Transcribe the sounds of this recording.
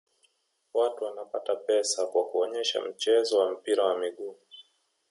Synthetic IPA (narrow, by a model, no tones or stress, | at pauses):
watuwanapatapɛsakwakuɔɲɛʃa̰m̩t͡ʃɛzɔwam̩piɾawamiɠuː